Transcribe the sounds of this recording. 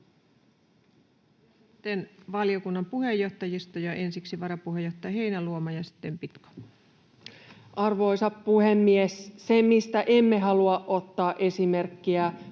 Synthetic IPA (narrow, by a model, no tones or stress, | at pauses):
t̪ːenʋɑliokunːɑmpuhe̞jːo̞ht̪ɑjist̪ojɑʔe̞nsiksiʋɑɾɑpuɦe̞joht̪ːˑɑjɑɦe̞jnæluomɑjɑsi̥t̪ːe̞mpit̪ko̥ | ʔɑrʋo̞isɑppuhemːiessemmist̪æʔemːeɦɑluɑʔʔot̪ːɑːʔesimerkːiæ